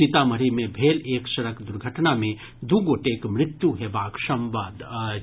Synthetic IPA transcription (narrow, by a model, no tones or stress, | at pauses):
it̪amɐɾimẽbʱeːleːkʃɐɾəkd̪ʊɾɡʱəʈnamẽ | d̪uɡoːʈeːkmɾɪt̪juɦeːbaːkʃɐmʋaːd̪